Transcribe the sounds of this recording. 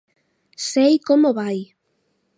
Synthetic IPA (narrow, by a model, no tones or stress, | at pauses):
sejkomoβaj